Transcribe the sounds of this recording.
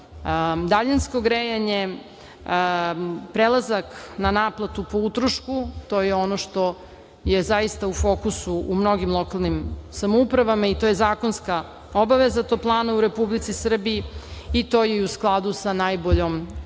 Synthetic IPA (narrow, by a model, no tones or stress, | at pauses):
d̪aʎanskoɡɾejaɲe | pɾelˠazaknanaːplˠat̪upout̪ɾoʃkut̪o̞ːjeo̞noʃt̪o̞ | jezaist̪aufo̞ːkusuumno̞ɡimlˠo̞kalˠnimsamoupɾaʋamait̪o̞ːjezaːko̞nska | obaʋezat̪oplˠaːnauɾe̞publit̪sisr̩biiːt̪o̞jeiusklˠad̪usanajboʎom